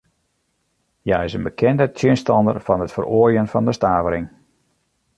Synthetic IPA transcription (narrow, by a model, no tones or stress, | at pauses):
jaːɪsənbəkʰɛndətʰjɪnstɑndərfɑnɦətfəroəjənfɑndəstaːvəɾɪŋ